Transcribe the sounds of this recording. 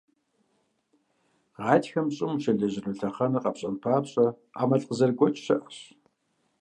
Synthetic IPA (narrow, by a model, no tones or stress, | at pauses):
ʁɑːtxɐmɕʼɪmʃɐɮɐʑɪnuɬɐχɐnɨqɐpɕʼɐnpʰaːpɕʼɐ | qa̰ːmɐɬʼqəzɐrɡʷɔt͡ʃʼɕɐʔɐɕ